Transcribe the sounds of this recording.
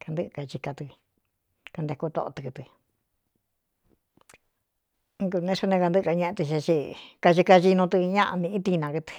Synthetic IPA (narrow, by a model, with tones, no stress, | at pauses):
ka˧nd̪ɨ˦ʔka˧t͡ʃi˧ka˧t̪ɨ˧ | ka˧nd̪e˧ku˦˧t̪o̰˧ʔo̰˧t̪ɨ˧ku˧t̪ɨ˧ | ku˧nẽ˧su˧nẽ˧ka˧nd̪ɨ˦ʔka˧ɲẽ˧ʔẽ˧t̪i˧ʃi˧t͡ʃi˧ka˧ʒi˧ka˧ʒi˧nũ˧t̪ɨ˧ɲã˦ʔa̰˧nĩ˧ĩ˦t̪i˧nã˧ku˧t̪ɨ̥˧˨